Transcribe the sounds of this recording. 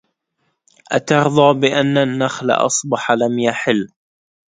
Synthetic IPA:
ʔat̪ɑɾðˤɑːbɪʔanːanːaxla̰ʔɑ̰sˤbɑħlamjaħɪlː

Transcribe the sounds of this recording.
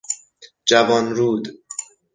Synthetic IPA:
d͡ʒævɒːnɾuːd̪

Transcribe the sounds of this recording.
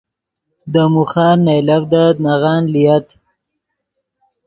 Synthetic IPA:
d̪əmuxɑːɾnajlavd̪anaɣɑːnlijat̪

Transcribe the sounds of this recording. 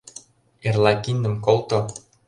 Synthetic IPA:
erlˠɑkinːə̆mkolt̪o

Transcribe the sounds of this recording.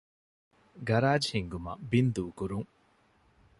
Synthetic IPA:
ɡaɾaːd͡ʒhiŋɡuma̰bind̪ukuɾuŋ

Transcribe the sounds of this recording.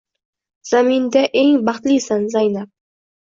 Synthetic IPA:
z̥amind̪aʔeŋbɑχt̪lisanzajnap̚

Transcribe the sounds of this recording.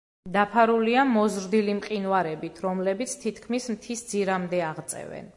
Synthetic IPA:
d̪apʰaɾuliamɔzɾd̪ilimqʼinwaɾɛbit̪ʰɾɔmlɛbit̪sʰt̪ʰit̪ʰkʰmismt̪ʰisd̪ziɾamd̪ɛaʁt̪sʼɛ̰vɛ̰n

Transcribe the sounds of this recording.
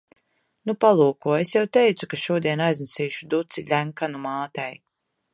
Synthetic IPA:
nupalˠuːkuɔesjawt̪ejt̪sukaʃuɔd̪iɛnajznɛsiːʃud̪ut̪silʲæŋkanumaːt̪ɛj

